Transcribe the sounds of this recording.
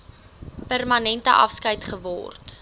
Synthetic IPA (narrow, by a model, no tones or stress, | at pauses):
pærmɐnɛntə̰ʔɐ̰fskəjtχəvɔ̰rt